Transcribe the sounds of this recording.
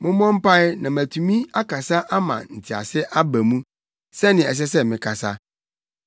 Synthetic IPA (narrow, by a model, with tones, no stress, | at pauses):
mʊ̃˦mɔ̃˦m̩˦pa˦ɪ˦nã˨mæ˨tʰu˨mĩ˦a˦ka˨sa˦ʔa˦mã̰˨n̩˨tʰɪ˨a̰˨sɪ˦ʔa˦bæ˨mũ˦ | sɛ˦nɪ̃˨ɛ˨s̬ɛ˦s̬ɛ˦mɪ̃˨kʰa˨sa˦